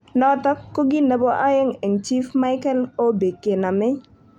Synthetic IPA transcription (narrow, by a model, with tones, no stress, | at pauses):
nɔ˦t̪ɔ˦kːo˦ɡɪ˦ne˨bɔ˦ʔa˦jɛ˦ŋɛ˨ŋt͡ʃi˦fma˦ɪ˦kɛ˦lo˦be˨kːe˨na˨mɪ˦